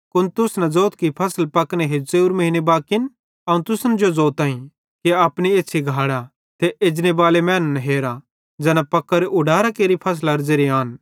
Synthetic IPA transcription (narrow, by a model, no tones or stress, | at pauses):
kʊnt̪ʊsnɛ̃d͡zoːt̪kipʰɐsəlpɐkneɦeseːuɾmɐɦinebaːkɪn | ɐũt̪ʊsənd͡ʒod͡zoːt̪aːĩ | keɐpñieːt͡ʃʰiɡʱaːɽa | t̪ʰeed͡ʒnebaːlemɛ̃ːnənɦeːɾa | d͡ʒɛːnapɐkːəɾʔʊɖaːɾakeːɾipʰɐs̬lɐɾd͡ʒeːɾiaːn